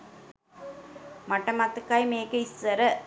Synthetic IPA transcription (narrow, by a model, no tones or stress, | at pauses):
mɐʈːɐmat̪ːɯkːaːjmeːkɯɪsːɐɾɐ